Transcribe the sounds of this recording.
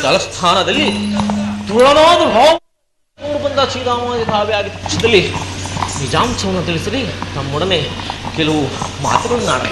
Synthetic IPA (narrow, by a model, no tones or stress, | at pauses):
ɐlɐst̪ʰaːnɐd̪ɐlːi | t̪uɭɐnaːd̪uɦaː | nuːɽubɐnd̪at͡ʃiːd̪aːmaːd̪ɐt̪aːʋijaːɡit̪ːɐpuʈʂɐd̪ɐlːi | nid͡ʒaːmt͡ʃɐʋɐnːɐt̪iɭisɐɾit̪ɐmːɔɽɐmekɛlɐʋuma̰ːt̪ɾɐnna̰ːɽɐ